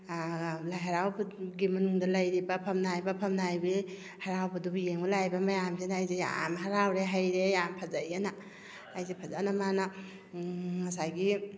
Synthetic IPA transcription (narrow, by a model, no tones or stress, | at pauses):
lajɦaɾawbɡimɐnuŋdɐlɐjɾibɐpʰɐmnajbɐpʰɐmnajbi | haɾawbɐdubjeŋbalajbɐmɐjamzenaːjzeja̰mɦaɾawɾeɦajɾejampʰazajanɐː | jzepʰazanɐmanɐ | mɐsajɡi